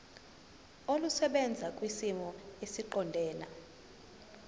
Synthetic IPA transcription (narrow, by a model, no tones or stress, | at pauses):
olusɛɓɛnd͡zʱakʼwisimɔesiǃɔndʱɛːna̰